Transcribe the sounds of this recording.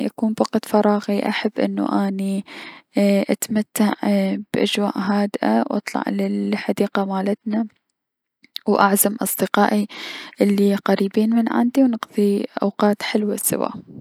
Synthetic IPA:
ʔa̰kuːmbaqt̪fɑɾˤɑːɣiʔa̰ħabːʔɪ̰nːṵʔaːni | ʔat̪mat̪ːaʕb̥ʔad͡ʒwa̰ːʔɦaːd̪ʔa̰wʔɑ̰t̪ˤlɑ̰ʕlɪlħad̪iːqamaːlat̪na | wʔaʕzamʔɑsˤd̪ɨqɑːʔiʔɪlːiqaɾiːbiːnmɪnʕa̰nd̪iwnɨqðˤiʔa̰wqɑːt̪ħɪlwasɪ̰wa̰ː

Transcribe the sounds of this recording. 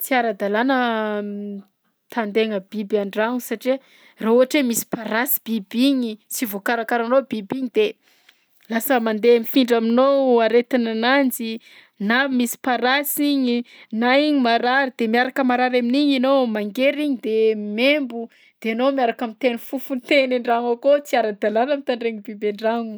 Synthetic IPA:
t͡siaɾad̪alanə | t̪and̪eŋəbibaɳɖ͡ʐaŋusaʈ͡ʂiə | rauɦaʈ͡ʂemisi̥paɾasi̥b̥ibiɲit͡sivokaɾakaɾanobibiɲid̪̥e | lasəmand̪emifiɳɖ͡ʐaminowaɾet̪inanand͡zi | namisi̥paɾasiɲinaiɲimaɾaɾid̪̥emiaɾakəmaɾaɾaminiɲinomaŋɡeɾiɲid̪emembu | d̪̥eanomiaɾakamit̪enifufunt̪eniɳɖ͡ʐaŋakot͡siaɾad̪alanamit̪aɳɖ͡ʐeɲibibeɳɖ͡ʐaŋu

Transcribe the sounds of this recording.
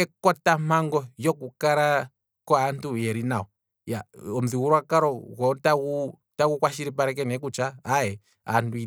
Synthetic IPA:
ɛkɔtam̥aŋɡɔjɔkukaɾa | kwaːntujɛɾinaɔ | jaɔm̩ziɣuɾwakaɾɔɣɔtau | takukwaʃiɾip̬aɾɛk̬ɛnɛk̬ut͡ʃaːjɛ | a̰ntui

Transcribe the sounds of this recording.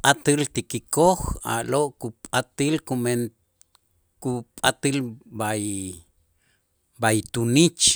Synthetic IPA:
pʼʔat̪ɨlt̪ikikoxa̰ʔloʔkupʼat̪ilkumen | kupʼat̪ilbaj | bajt̪unit͡ʃ

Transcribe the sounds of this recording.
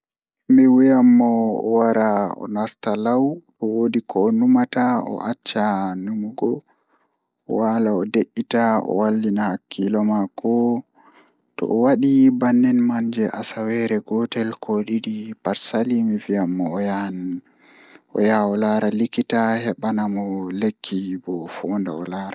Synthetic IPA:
miwijamːɔɔ̰waɾaɔ̰nastalaw | ɔwoːdikʰɔːnumataɔ̰ʔat͡ʃːanumuɡɔ | ɔwalaɔdeʔːitaɔ̰walːinahakʰːilɔmakʰɔ | tɔ̰ʔɔwaɗibanːɛnmaɲd͡ʒɛʔasawɛɾɛɡɔtɛlkʰɔɗiɗipaɾsalimiviamːɔja | ɔ̰jaɔlaɾalikitahɛɓanamɔlekʰːibɔfɔːnda̰ɔ̰laːɾa

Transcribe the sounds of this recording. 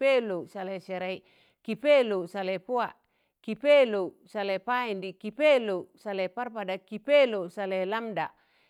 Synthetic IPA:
elosaleseɾai | kipelosalepua | kipelo | salepaindikipelosaleparpadakipelosalelamda̰

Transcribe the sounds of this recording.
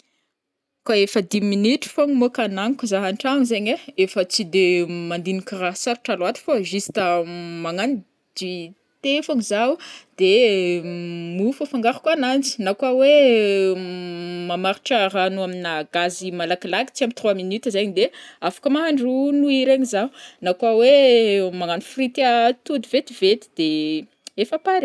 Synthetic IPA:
kaefəd̪iminiʈ͡ʂi̥foŋimokanaŋikuzaɦaɳʈ͡ʂanzeɲeefət͡sid̪emand̪inikiraɦsaɾi̥ʈ͡ʂalat̪i̥foʒisi̥t̪əmaŋani | d͡ʒ̪i | t̪efaŋizaud̪̥e | mufafaŋɡaɾu̥kwanand͡zi̥nakawe | mamaɾi̥ʈ͡ʂəranuaminaɡazimalakilaɡi̥t͡siambit̪ruaminit̪izajɲd̪eafḁkəmaɦaɳɖ͡ʐunuiɾeɲizaunakwawemaŋanifrit̪at̪ud̪ivet̪ivet̪i̥d̪e | efapaɾ

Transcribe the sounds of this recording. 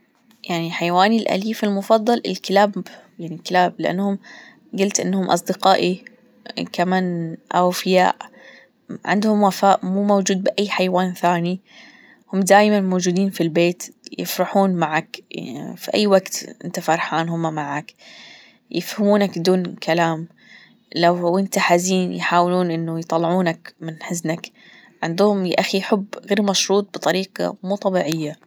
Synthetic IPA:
jaʕniħajawaːnilʔa̰liːfɪlmʊfɑðˤːɑlʔɪlkɪlaːbbjaʕnikɪlaːblɪʔa̰nːhʊm | ɡʊlt̪ʔɪnːhʊmʔɑ̰sˤd̪ɪqɑːʔi | kamaːnʔa̰wfɪja̰ːʔ | ʕɪ̰nd̪hʊmwafaːʔmuːmowd͡ʒuːd̪̚bɪʔajːħajwaːnθaːni | hʊmd̪aːjmanmoːd͡ʒuːd̪iːnfilbeːt̪jɪ̰fɾɑħuːnmaʕakfiʔa̰jːwaɡt̪ʔɪ̰nt̪afɑɾˤħaːnɦʊmːamaʕak | jɪ̰fhɪmuːnakd̪uːnkʰalaːm | lawʔɪnt̪aħaziːnjħaːwɪluːnʔɪnːʊjt̪ˤɑlːʕuːnakmɪnħɪznak | ʕɪnd̪ʊhʊmʔaxijħʊbːɣeːɾmɑʃɾuːt̪̚ˤbɨt̪ˤɑɾiːqɑ̰muːt̪ˤɑbiːʕɪjːa

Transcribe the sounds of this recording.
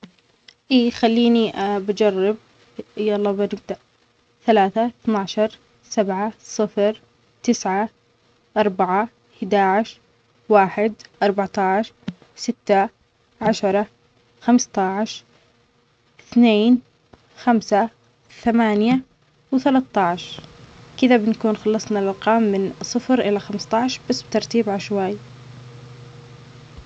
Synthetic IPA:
ʔiːxalːiːniabad͡ʒɑrˤːɪb̚ | ʔjaʔlˤːɑːbanɪb̚d̪aʔ | θalaːθaθnaːʕʃɑɾˤ | sabʕasˤɨfɾ | t̪ɪsʕa | ʔɑɾˤbaʕa | hɪd̪aːʕɪʃ | waːħɪd̪ʔɑɾˤbaʕt̪ˤɑʕʃ | sɪt̪ːa | ʕaʃɑɾˤɑ | xamst̪ɑʕʃ | ɪθneːn | xamsa | θamaːnja | wɪθalat̪ːɑʕʃkɪðabɪnakuːnxɑlːɑsˤnɑlʔɑlqɑːmːɪnsˤɨfɾʔɪlaxamst̪ˤɑʕʃbasːbɪt̪ɑɾˤt̪iːbʕaʃwaːj

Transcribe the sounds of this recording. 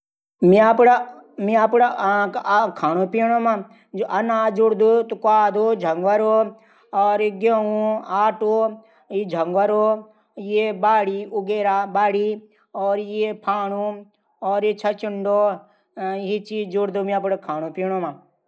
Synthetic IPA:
mĩapɽamĩapɽa | kʰaːñupiːɳoma | d͡ʒoʔɐnaːd͡ʒuɽd̪ut̪ukaːd̪od͡ʒʱɐŋɡwɐɾo | ɔːɾɡeũaːʈo | id͡ʒʱɐŋɡwɐɾo | jebaːɽiuɡeːɾaːbaːɽi | ɔːɾjepʰaːnu | ɔːɾet͡ʃʰɐt͡ʃɪɳɖoː | it͡ʃiːd͡ʒuɽd̪umĩapɽakʰaːñupiːɽoma

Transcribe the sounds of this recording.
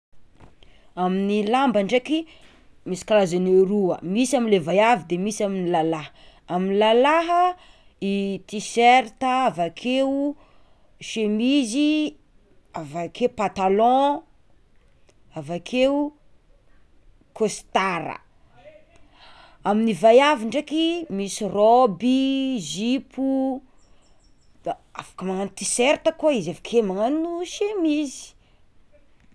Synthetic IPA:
aminilambaɳɖ͡ʐeki | misi̥kalazaneɾuə̰misaminlevajavid̪emisaminilalaɦə | aminilalaɦə | it̪iseɾt̪əavakʰeu | ʃemizi | avakʰeupat̪alɔ̃ | avakʰe | kost̪aɾə̰ | aminivajaviɳɖ͡ʐakimisirobizipʰu | afḁkəmaŋant̪iseɾt̪əkuaizavakʰemaŋaninuʃemizi̥

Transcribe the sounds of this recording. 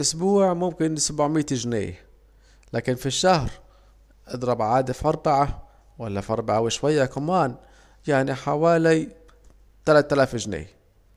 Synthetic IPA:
ʔʊsbuːʕmʊmkɪnsabʕmiːt̪ʒnḛːj | laːkɪnfiʃːahɾ | ʔɪd̪ɾˤɑbʕaːd̪afʔɑɾˤbaʕa | walːafʔɑɾˤbaʕawɪʃwajːakamaːn | jaʕniħawaːli | t̪alat̪ːalaːfʒnḛːj

